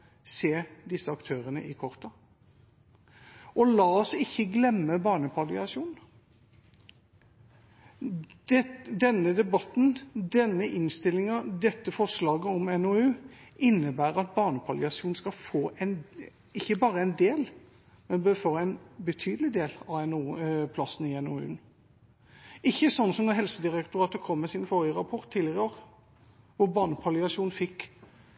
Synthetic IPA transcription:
seːd̪ɪsːəɑkt̪ʰøːɾənə̰ʔɪkʰɔʁt̪ɑ | ɔlɑːɔsɪçːəɡlɛmːəbɑːnəpʰɑlɪɑsjuːn | d̪ɛnːəd̪ɛbɑt̪nd̪ɛnːəʔɪnst̪ɪlːɪŋɑd̪ɛt̪ːəfɔʁslɑːɡəɔmɛnoʉːʔɪnːəbæːɾɑt̪̚bɑːnəpʰɑlɪɑsjuːn̩skɑfoːʔɛn | ɪçːəbɑːɾəɛɪnd̪eːl | mɛnbøːfoːɾɛɪnbət̪ʰyːd̪lɪd̪eːlɑɛnuːpʰlɑsn̩ɪɛnoːʉ̰ːn | ɪçːəsɔnːsɔmd̪ɛɦɛlsəd̪ɪɾɛkt̪ʊɾɑːt̪əkʰɔmːɛsɪnfoːʁɪəɾɑpʰɔʁt̪ʰːiːlɪəʁəoːʁ | ʋʊɾbɑːnəpʰɑlɪɑʃjuːnfɪkː

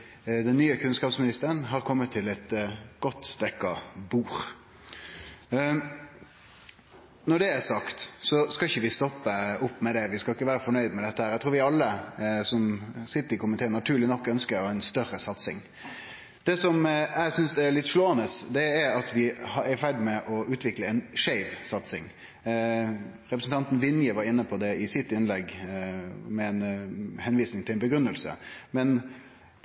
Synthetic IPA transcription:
d̪ɛnːyːəkʰʉnskɑːpsmɪnɪst̪əɾənɦɑɾkʰɔmːət̪ʰːɪlɛt̪ɡ̥ɔt̪ːd̪̥ɛkːɑbuːɾ | nɔɖ̪ɛæɾsɑkt̪sɔskɑɪçːəʋɪst̪ɔpːəʊpːmɛd̪ɛʋɪskɑɪkːəʋæːɾəfɔɳœʏd̪mɛd̪ɛt̪ːəhæːɾæɪt̪ʰɾuːɾʋɪɑlːəsɔmsɪt̪ːəɾɪkʰʊmənt̪eːnɑt̪ʰʉːɾɭɪnɔkːœnskəɾɛɪnst̪œɾəsɑt̪sɪ̰ŋ | d̪̥ɛːsɔmæsʏnsd̪ɛæɾɭɪt̪ːʂloːənəsd̪ɛæɾɑt̪ʋɪhɑæfæɾd̪ɪmɛʔɔʉːt̪ʋɪkləɛɪnʂæɪʋsɑt̪sɪ̰ŋ | ɾɛpɾəsn̩t̪ʰɑnt̪n̩ʋɪnjəʋɑɾɪnːəpʰɔd̪ɛɪsɪt̪ːɪnlɛɡ | mɛɛnhɛnʋiːsnɪŋt̪ɪlɛnbəɡɾʉnːəlsə̰mɛn

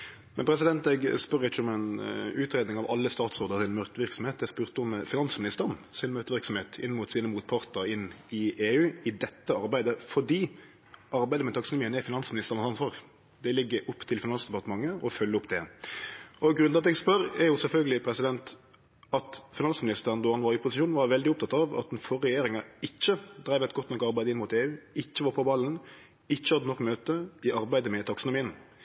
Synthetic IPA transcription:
mɛnpʰɾɛs̬ɪd̪ɛnt̪ɛɡspœɾɪçːəɔmɛnʉːt̪ʰɾeːd̪ɪŋɑʋɑ̰lːəst̪ɑːt̪sʁoːd̪əsɪnmœt̪ʋɪɾksɔm̩eːt̪ɛɡspʉːʁt̪əɔmfɪnɑnsmɪnɪst̪əɾɔmsɪnmœt̪əʋɪɾksɔm̩heːt̪ʰɪ̰nːəmuːt̪siːnəmuːt̪̚pʰɑʁt̪əɾɪnːɪeːʉːɪd̪ɛt̪ːəɑɾbæɪd̪əfɔɖiː | ʔɑɾbæɪd̪əmɛt̪ɑksnɪmɪənɛfɪnɑnsmɪnɪst̪əʁnɑsɑnsɑʁ | d̪ɛlɪɡːəɾʔɔpːt̪ʰɪlfɪnɑnsd̪ɛpɑʁt̪əmɑŋːəɔfœlːəʊpd̪ɛ | ɔɡɾʉnɑt̪ɛɡspœɾɛɾjʊsɛlfœlɡəlɪpʰɾɛsɪd̪ɛnt̪ | ɑt̪fɪnɑnsmɪnɪst̪əɾənd̪ɔɑnʋɑɾɪpʰʊsɪʃuːnʋɑɾʋɛld̪ɪɔp̚t̪ʰɑt̪ːɑʋɑ̰t̪ɛnfɔɾːɛjeːɾɪŋɑɪt͡ʃːəd̪ɾæɪʋɛt̪ɡɔt̪ːnɔkːɑɾbæɪd̪ɪnmʊːt̪eːʉːɪt͡ʃːəʋɑɾpʰɔbɑlːn̩ | ɪt͡ʃːəhɑd̪nɔkːmøːt̪əɪʔɑɾbæɪd̪əmɛt̪ʰɑksənʊmiːən

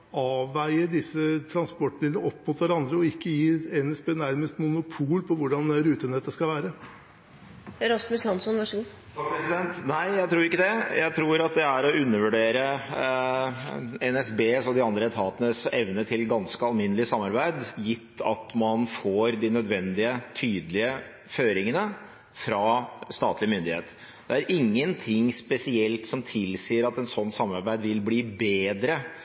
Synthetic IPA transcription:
ɑːʋːæɪəɖ̪ɪsːət̪ʰɾɑnspɔʈːmɪd̪ləəɔpːmʊt̪ʋæɾɑnd̪ɾəɔɪkːəjiːɛnɛsbeːnæɾməst̪mʊnʊpʰuːlpʰɔʋʊɖɑnɾʉːt̪ənɛt̪ːəskɑlʋæːɾə | ɾɑsmʉshɑnsɔnʋɑʂəɡu | pʰɾɛsɪd̪ɛnt̪næɪjæɪt̪ʰɾuːɾɪkːəd̪ɛjæ̰ɪt̪ʰɾuːɾɑt̪̚d̪ɛæɾɔʔʉnːəʋʉɖeːɾə | ɛnɛsbeːsɔd̪ɪɑnd̪ɾəɛt̪ʰɑːt̪ənəsɛ̰ʋnət̪ʰɪlɡɑnskəɑlmɪnːəlɪəsɑmːɑɾbæɪd̪jɪt̪ʰːɑ̰t̪mɑnfoːɾd̪ɪnœd̪ʋɛnd̪ɪət̪ʰyːd̪lɪə | føːɾɪŋənə | fɾɑst̪ɑ̰ːt̪lɪmʏnd̪ɪhḛːt̪ | d̪̥ɛæɾʔɪŋːənt̪ʰɪŋspɛsɪɛlt̪sɔmt̪ʰɪlsiːəɾɑt̪ɛnsɔnːsɑmːɑɾbæɪd̪ʋɪlbliːbeːd̪ɾə

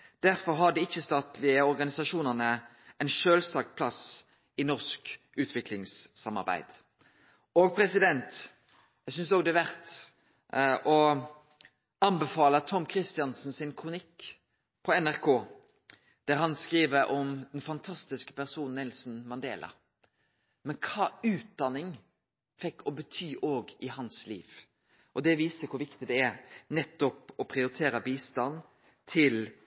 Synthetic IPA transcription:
d̪̥æɾfɔɾɦɑd̪əɪçːəst̪ɑːt̪lɪəɔɾɡɑnɪsɑʃuːnəʁnə | ʔɛɪnʃøːlsɑːkpʰlɑs | ɪnɔʁsk | ʉːt̪ʰʋɪkʰlɪŋsːɑmɑ̰ɾbæ̰ɪd̪̥ | oːɡ̚pʰɾɛsɪd̪ɛnt̪ | jæɡsʏnsoːɡd̪ɛʋæʁt̪ | ʔɔ | ɑnbəfɑːlət̪ʰɔmkʰɾɪst̪ɪɑnsn̩sɪnkʰʁʊnɪkː | pʰɔɛnæɾkʰoː | d̪̥æɾɦɑnskɾiːʋəɾʔɔmd̪ɛnfɑnt̪ʰɑst̪ɪskə̥pæɾsuːn̩ːɪlsn̩mɑnd̪eːlɑ̰ | mɛnkʰɑːʉːt̪̚d̪ɑnːɪŋ | fɛkːɔbət̪ʰyːʔoːɡɪhɑnslḭːʋ | ʔɔd̪ɛʋiːsəkʰʊɾʋɪkt̪ɪd̪ɛæɾnɛt̪ːɔpɔpʰɾɪʊɾɪt̪ʰeːɾəbiːst̪ɑn | t̪ʰɪl

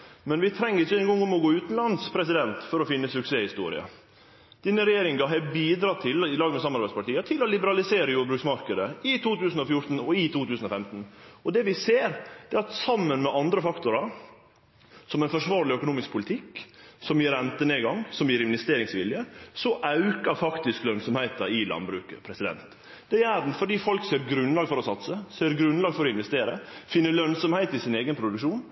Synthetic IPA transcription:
mɛnʋɪt̪ʰɾɛŋːəɾɪçːəɛnɡɔŋːɔŋɔɡoːʉːt̪n̩lɑnspʰɾɛsɪd̪ɛnt̪fɔɾɔfɪnːəsʉkseːhɪst̪ṵːɾɪ̰ə̰ | d̪̥ɪnːəɾɛjeːɾɪŋɡɑɦɛbiːd̪ɾɑːt̪ʰɪlɪlɑːɡmɛsɑmɑɾbæɪspɑʈiːət̪ʰɪlɔlɪbəɾɑlɪseːɾəjuːbɾʉːksmɑɾkəd̪əɪt̪ʰuːt̪ʉːsn̩ɔfjʊɾt̪n̩ɔɪt̪ʰuːt̪ʰʉːsn̩ɔfɛmt̪n̩ɔd̪ɛʋɪseːɾd̪̥ɛːɑt̪sɑmːənmɛʔɑnd̪ɾəfɑkt̪ʊɾɑ | sɔmɛɪnfɔʂʋɑːɾɭɪœkʊnuːmɪsk̚pʰʊlɪt̪ʰɪksɔmjiːɾɛnt̪əneːɡɑŋːsɔmjiːɾɪnʋɛst̪eːɾɪŋsʋɪljəsɔʔɑʉkəɾfɑkt̪ɪsklœnsɔmhæɪt̪ɑɪlɑ̰nbɾʉːkə̰pʰɾɛsɪd̪ɛ̰nt̪ | d̪̥ɛædn̩fɔɖiːfɔlkseːɾɡɾʉnlɑːɡfɔɾɔsɑt̪səseːɾɡɾʉnlɑːɡfɔɾɔɪnʋɛst̪eːɾə̰fɪnːəɭœnsɔmhæɪt̪ɪsɪneːɡənpʰɾʊd̪ʉkʂuːn

